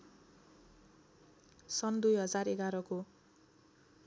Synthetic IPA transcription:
sʌnd̪ujɦʌd͡zareɡaɾʌko

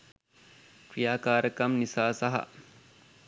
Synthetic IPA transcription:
kɾijaːkaːɾəkɐmnisaːsɐɦɐ̰

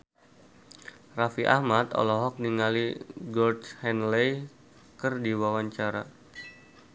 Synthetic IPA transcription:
rafiʔa̰hmat̪ɔ̰lɔɦɔk̚niŋaliɡɔrd̪hɛnlɛj | kərdiwawaɲt͡ʃaɾa

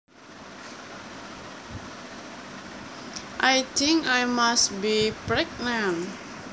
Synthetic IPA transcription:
ʔajt̪ʰɪ̃ŋkajmastbipɾɛk̚nan

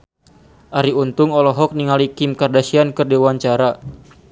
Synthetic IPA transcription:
ʔaɾiunt̪ʊŋɔlɔɦɔk̚niŋalikɪmkardasiankɨrdewaɲt͡ʃaɾa

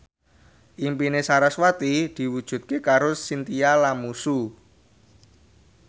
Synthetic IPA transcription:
ʔimpinesaɾaswat̪id̪̥i̤wud̥ʒ̥ṳt̪̚kekaɾʊsːint̪ialamusu

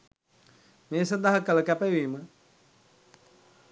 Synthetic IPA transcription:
meːsɐnd̪aɦəkələkæpejʋiːmə

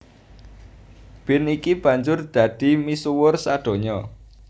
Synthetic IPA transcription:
b̥ɪ̤nikib̥ä̤ɲd͡ʒʊrd̪̥ä̤d̪̥i̤misuwʊrsaɖ̪̥o̤ɲɔ

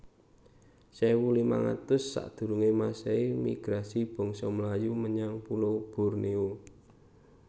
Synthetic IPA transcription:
sawulima̰ŋa̰t̪ʊsːa̰ʔd̪̥ṳɾuŋemaseimḭɡ̥ɾasib̥ɔ̤ŋsɔmlajuməɲaŋpulob̥ṳrneo

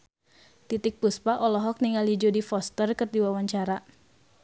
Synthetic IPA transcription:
t̪it̪ɪk̚puspaʔɔlɔɦɔk̚niŋalid͡ʒodifɔst̪ərkərdiwawaɲt͡ʃaɾa

